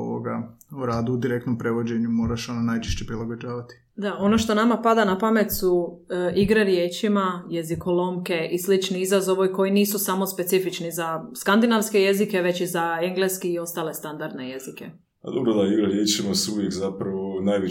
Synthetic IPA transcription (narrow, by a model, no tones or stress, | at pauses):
o̰ʋo̰ɡa | uɾaːd̪uːd̪iɾe̞k̚t̪no̞mpɾeʋo̞d͡ʑe̞ɲumo̞ːɾaʃononajt͡ʃe̥ʃt͡ɕepɾilˠaɡod͡ʒaːʋat̪i̥ | d̪aono̞ʃt̪o̞namapad̪anapame̞t̪su | iɡɾaɾjeːt͡ʃimaje̞zikolomke̞ʔislit͡ʃniizazo̞ʋoiko̞jiniːsusamo̞spe̞t̪sifit͡ʃnizaskand̪inaʋske̞je̞zike̞ʋe̞t͡ɕizaeŋɡleskiːo̞st̪aːle̞st̪and̪aɾd̪neje̞zike̞ | pa̰d̪obɾod̪aiɡɾaɾjet͡ʃimasuuʋjekzapɾaʋonajʋi